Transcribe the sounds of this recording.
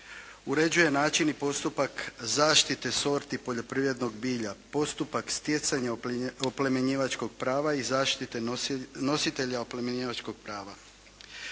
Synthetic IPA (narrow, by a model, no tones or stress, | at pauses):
uɾe̞d͡ʑuje̞naːt͡ʃinipo̞st̪upakzaːʃt̪it̪e̞so̞ɾt̪ipo̞ʎo̞pɾiːʋɾe̞d̪no̞ɡbiːʎapo̞st̪upakst̪je̞t̪saɲaoplemeɲiːʋat͡ʃko̞ɡ̚pɾaːʋaizaːʃt̪it̪e̞no̞sit̪e̞ʎaoplemeɲiːʋat͡ʃko̞ɡ̥̚pɾaːʋa